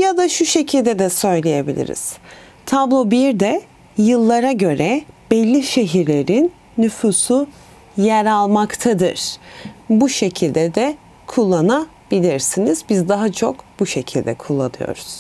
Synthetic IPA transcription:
jad̪aʃuʃe̞cʰilʲd̪ɛd̪ɛsø̞jlʲejebilʲḭɾḭz̥ | t̪ʰablˠobiɾd̪ɛ | jɯlˠːaɾaɟø̞ɾɛb̥ɛlʲːiʃe̞ɦiɾlʲe̞ɾinː | yfusu | jɛɾalˠmakt̪ʰad̪ɯ̰ɾ̥buʃe̞cʰilʲd̪ɛd̪ɛ | kʰulˠːana | b̥ilʲiɾsinizbizd̪aɦat͡ʃʰo̞kb̥uʃe̞cʰilʲd̪ɛ̰kʰulˠːa̰nɯ̰jo̞̰ɾuz̥

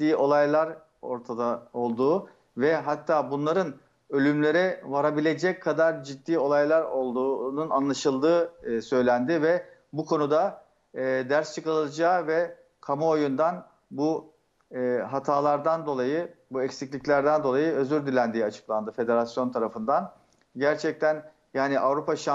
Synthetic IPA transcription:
iːo̞lˠajlˠaɾ | o̞̰ɾt̪ʰad̪ao̞lˠd̪uː | vɛɦat̪ʰːaːbunlˠaɾɯn | ø̞lʲymlʲe̞ɾɛvaɾabilʲe̞d͡ʒɛc̚kʰːad̪aɾd͡ʒid̪ːiːo̞lˠajlˠaɾo̞lˠd̪uːnuna̰nlˠaʃɯlˠd̪ɯːsø̞jlʲænd̪ɪvɛbukʰo̞nud̪a | d̪æɾst͡ʃʰɯkalˠɯlˠad͡ʒaːvɛ | kʰamao̞jund̪an | bu | ɦat̪ʰaːlˠaɾd̪and̪o̞lˠajɯbuɛcsiclʲiclʲæɾd̪ænd̪o̞lˠajɯø̞zyɾd̪ilʲænd̪iːat͡ʃʰɯ̥klˠand̪ɯfe̞d̪e̞ɾasjo̞nt̪ʰaɾafɯnd̪an | ɟæɾt͡ʃʰɛc̚t̪ʰæn | jaːniʔavɾupʰaʃa

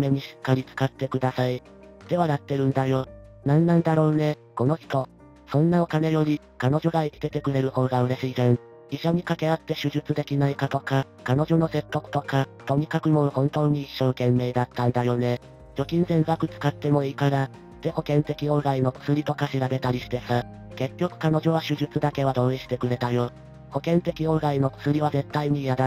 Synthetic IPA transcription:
me̞ɲ̟iɕi̥kːaɾʲit͡sɨ̥kat̪ːe̞kɯ̟d̪asai | d̪̥e̞βaɾat̪ːe̞ɾɯ̟̃nd̪ajo̞ | nãnːãnd̪aɾo̞ːne̞ | ko̞no̞çi̥t̪o̞ | sõ̞nːao̞kane̞jo̞ɾʲi | kano̞ʑo̞ɡaikʲi̥t̪e̞t̪e̞kɯ̟ɾe̞ɾɯ̟ho̞ːɡaɯ̟ɾe̞ɕiːzẽɴ | iɕoɲ̟ikake̞at̪ːe̞ɕɨʑɨt͡sɨd̪e̞kʲinaikat̪o̞ka | kano̞ʑo̞no̞se̞t̪ːo̞kɯ̟t̪ːo̞kat̪o̞ɲ̟ikakɯ̟mo̞hõ̞nt̪o̞ːɲ̟iːɕːo̞ːkẽ̞mːe̞ːd̪at̪ːãnd̪ajo̞ne̞ | d͡ʑo̞kʲĩñzẽ̞ŋɡakɯ̟t͡sɨ̥kat̪ːe̞mo̞iːkad̪a | d̪̥e̞ho̞kẽ̞nt̪e̞kʲio̞ɡaino̞t͡sɨ̥t͡sɨɾʲit̪o̞kaɕiɾabe̞t̪aɾʲiɕi̥t̪e̞sa | ke̞kʲːo̞kɯ̟̥kano̞ʑo̞β̞aɕɨʑɨt͡sɨd̪ake̞βad̪o̞ːiɕi̥t̪e̞kɯ̟ɾe̞t̪ajo̞ | ho̞kẽ̞nt̪e̞kʲio̞ɡaino̞t͡sɨ̥t͡sɨɾʲiβ̞aze̞t̪ːaiɲ̟ijad̪a

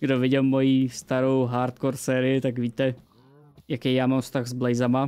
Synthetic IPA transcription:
ɡdovɪɟɛlmo̞jiːst̪aɾowɦaːɾt̪̚koɾsɛːɾɪjɪt̪aɡviːt̪ɛ | jakɛjjaːmamfst̪aɣzblɛjzama

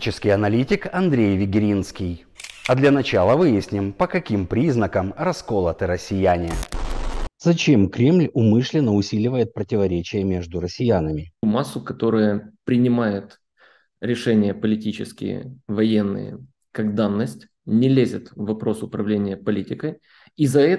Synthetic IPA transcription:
t͡ɕɪskʲɪjɐnɐlʲitʲɪkɐnd̪ɾʲejvʲɪɡʲɪɾʲinskʲɪj | ɐd̪lʲɐnɐt͡ɕalˠəvɨjɪsʲnʲɪmpəkɐkʲimpɾʲiznəkəmrɐskolˠət̪ɨɾəsʲːɪjænʲɪjə | zɐt͡ɕe̞mkɾʲe̞mlʲʊmɨʂlʲɪnːəʊsʲilʲɪvəjɪt̪̚pɾətʲɪvɐɾʲet͡ɕɪjəmʲeʐd̪ʊɾəsʲːɪjanəmʲɪmasːʊkɐt̪o̞ɾɨjəpɾʲɪnʲɪmajɪt̪ | ɾʲɪʂɛnʲɪjəpəlʲɪtʲit͡ɕɪskʲɪ̰jə̰vɐjenːɨ̰jə̰ | kaɡd̪anːəsʲtʲ | nʲɪlʲezʲɪt̪vɐpɾo̞sʊpɾɐvlʲenʲɪjəpɐlʲitʲɪkə | izɐɛ

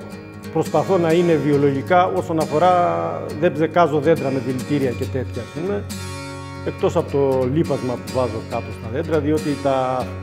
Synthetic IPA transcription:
pɾo̞spɐθo̞nɐine̞vio̞lo̞ʝikɐo̞so̞nɐfo̞ɾɐðe̞bze̞kɐzo̞ðe̞nd̪ɾɐme̞ðilit̪iɾiɐce̞t̪e̞t̪çɐːspume̞ | ek̚t̪o̞sɐpot̪o̞lipɐzmɐpuvɐzo̞kɐp̪o̞st̪ɐðe̞nd̪ɾɐðio̞t̪it̪ɐ

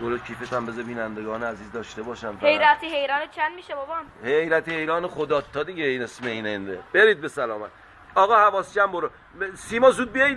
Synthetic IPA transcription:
boɾokʰiːfet̪ʰæmbezebiːnænd̪eɡɒːneæziːzd̪ɒːʃt̪ebɒːʃæmfæhejɾæt̪ʰiɦejɾɒːnet͡ʃʰænd̪miʃebobɒmhejɾæt̪ʰehejɾɒːnexod̪ɒːt̪ʰːɒd̪iɟeinesmeinend̪eb̥eɾiːd̪̚besælɒːmæ̰t̪ | ɒːɣɒːhævɒːst͡ʃæmboɾo | siːmɒːzuːd̪̚bijej

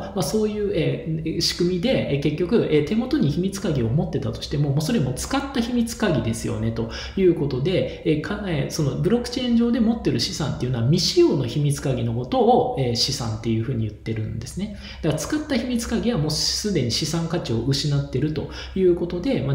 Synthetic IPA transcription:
maso̞ːjɯ̟ːeɕi̥kɯ̟mʲid̪e̞ke̞kʲːo̞kɯ̟ʔeːt̪e̞mo̞t̪o̞ɲ̟içimʲit͡sɨ̥kaɡʲio̞mo̞t̪ːe̞t̪at̪o̞ɕi̥t̪e̞mo̞moːso̞ɾe̞mo̞t͡sɨ̥kat̪ːaçimʲit͡sɨ̥kaɡʲid̪e̞sɨjo̞̰ne̞t̪o̞ | jɯ̟ːko̞t̪o̞d̪e̞kʰaeso̞no̞bɯ̟ɾo̞kɯ̟̥t͡ɕẽ̞ːɲ̟d͡ʑo̞ːd̪e̞mo̞t̪ːe̞ɾɯ̟ɕisã̰nt̪eiɯ̟noβamʲiɕijo̞ːno̞çimʲit͡sɨ̥kaɡʲino̞ko̞t̪o̞ːeːɕisã̰nt̪ːe̞jɯ̟ːɸɯ̟ːɲ̟ijɯ̟t̪ːe̞ɾɯ̟̃nd̪e̞sɨne̞ | d̪̥akt͡sɨ̥kat̪ːaçimʲit͡sɨ̥kaɡʲiβamo̞ːsɨd̪e̞ɲ̟iɕisãŋkat͡ɕio̞ʔɯ̟ɕinat̪ːe̞ɾɯ̟t̪o̞ | jɯ̟ːko̞t̪o̞d̪e̞ma

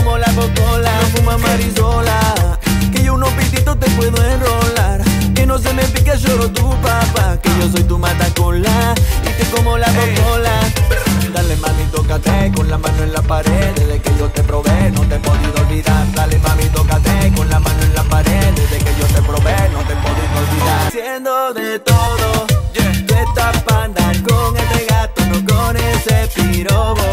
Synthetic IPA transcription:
omolaβokolakumamaɾizola | kejonopit̪it̪ot̪epweðoenrolaɾ | kenõs̬emẽfikeʃoɾot̪upapakejos̬ojt̪umat̪akonlait̪ekomolaβok̪ola | d̪alemãmĩt̪okat̪ekonlamãnoẽnlapaɾeðezðekeʝo̞t̪epɾo̞βenot̪epoðiðolβiðaɾd̪alemamit̪okat̪ekonlamãnoenlapaɾeðezðekeʝo̞t̪e̞pɾo̞βenot̪e̞poðɾiðolβiðaɾsjend̪oðe̞t̪oðot̪et̪apand̪akoŋelreɣat̪onokonesepiɾoβo

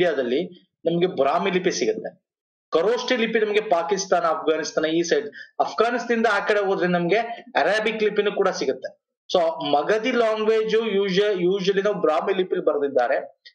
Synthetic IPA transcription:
ijaːd̪ɐlːi | nɐmɐɡe̞bɾaːmilipːisiɡut̪ːe̞ | kɐɾoːsʈilipːinɐmɐɡe̞paːkist̪aːnɐɐp̚ʰɡaːnist̪aːnɐiːsɐjɖɐpʰɡaːnist̪ːind̪ɐaːkɐɽeɦoːd̪ɾenɐmɐɡe̞ɐɾaːbiklipːinukuːɽɐsiɡut̪ːe̞ | soːmɐɡɐd̪ilaːŋɡʋeːd͡ʒujuːd͡ʒjuːʒʋɐlinɐːʋubɾaːmilipːilːibɐɾd̪id̪ːaːɾe̞

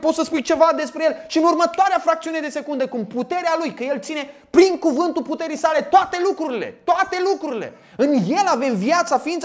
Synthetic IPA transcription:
po̞t̪səspujt͡ʃe̞vad̪e̞spɾejelʃiɨnurmət̪oaɾeafɾak̚t̪siune̞d̪e̞se̞kund̪ekumput̪e̞ɾealujkəje̞lt̪sine̞pɾiŋkuvɨnt̪ulput̪e̞ɾijsale̞t̪oat̪e̞lukɾuɾile̞t̪oat̪e̞lukɾuɾile̞̰ | ɨnje̞lave̞mvijat̪safiiːnt̪s

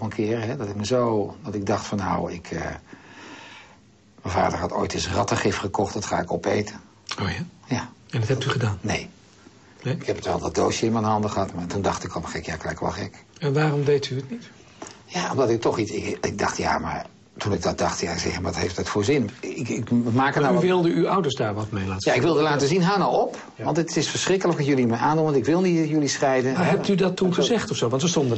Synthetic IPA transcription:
pənkʰɪːrɦɛdɔtɪk̚məzowdɑtɪɡ̚dɑχtfɑnːawɪkʰə̰ | mɛnva̰ːdərɦɑto̰jtɪsrɑtəχɪfχəkɔχtdɔtχa̰ːɪkɔpḛjtə | ojajaɛnɔthɛp̚tyχədaːnnej | ɪkhɛpətʋɛlˠdɔt̚doːʃjəɪnmɛnɦɑndəχəɦɑtmantundɑχtɪkɔlməxɛkjaklɛjkʋɔ̰lˠxɛkɛnʋaːrɔmdejtyətnit | jao̰mdɑtɪk̚tɔχitɪkɪɡ̚dɑ̰χtja̰ma̰ɹ | tunɪɡ̚dɑt̚d̥ɑχtjasɛ̰xəʋɔthḛjftdətfoːzɪnɪkɪkmaːkənaʋɪlˠdəyawdəɹsdaːɹʋɑtmejlaːtjaɪkʋɪlˠdəlaːtəzinɦaːnowɔp | ʋɑntətɪsfəɹsχrɪkələkəkjølˠimɛnaːnduntɪkʋɪlˠnitjølisχɛjdəaɦɛp̚tydɑtːunχəzɛχtɔfsowʋɑntsəstɔndə

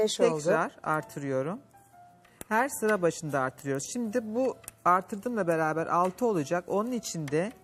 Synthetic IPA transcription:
ɛʃʰɛlkˠd̪ɾaɾ̥a̰ɾt̪ʰɯɾɯjo̞ɾum | hæɾsɯɾabaʃɯnd̪aːɾt̪ʰɯɾɯjoɾuz̥ʃimd̪ibuaɾt̪ʰɯɾd̪ɯmlˠabe̞ɾaːbæɾʔa̰lˠt̪ʰɯo̞lˠud͡ʒako̞nunit͡ʃʰind̪ɛ

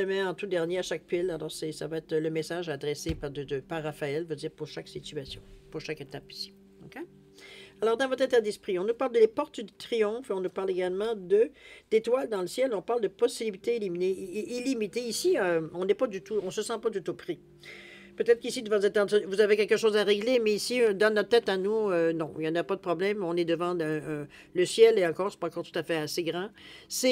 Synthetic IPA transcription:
əmɛɑ̃t̪ud̪ɛʁnjeaʃak̚pilalɔʁsɛsavaɛt̪χələmesaʒad̪ʁesepad̪əd̪əpaʁːafaɛlvød̪iːʁpuʁʃaksit̪yasjɔ̃puʁʃaket̪api̥si̥ | ɔkʲe | alɔʁd̪ɑ̃vɔt̪χɛ̃t̪ɛʁd̪ispʁiɔ̃nupaʁld̪əlepɔʁt̪d̪yt̪ʁijɔ̃feɔ̃nupaʁleɡalmɑ̃d̪əd̪̥et̪wald̪ɑ̃ləsjɛlɔ̃paʁld̪əpɔst̪selibit̪eilimineʔilimit̪eisiøɔ̃nɛpad̪yt̪uɔ̃səsɑ̃pad̪yt̪upʁi | pøt̪ɛt̪χkisid̪əvɑ̃sɛt̪ɑ̃d̪vuzavekʲɛlkəʃoːzaʁeɡlemɛisid̪ɔnːɔt̪t̪ɛt̪anuønɔ̃iljɑ̃napad̪əpχɔblɛmɔ̃nɛd̪əvɑ̃ɛ̃ | ləsjɛleɑ̃kɔːʁsɛ̥pɑ̃kɔːʁt̪u̥t̪afɛaseɡʁɑ̃sɛ

